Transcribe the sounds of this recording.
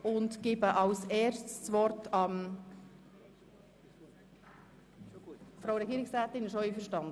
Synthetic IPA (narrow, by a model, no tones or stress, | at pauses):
ʊndɡ̥ɪbəʔɑlseːɾstsvɔɾtɑm | fɾowɾɛɡiːɾɪksɾæːt̪ɪnɪʃoiːfəʃtɑnd̪ə